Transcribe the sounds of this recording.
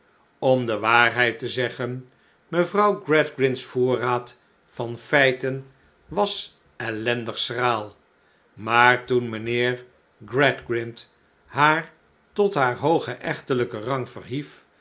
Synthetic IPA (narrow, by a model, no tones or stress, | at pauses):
ɔmdəʋaːrɦɛjtəzɛχən | məvrʌwɡrɛdɡrɪntsfʊːraːt | fɑnfɛjtən | ʋɑs | ɛlɛndəχsraːlˠ | maːɹtunmənɪːɹ | ɡrɛdɡrɪnt | ɦaːɹ | tɔtɦaːɹɦowχəʔɛχtələkərɑŋvə̰rɦif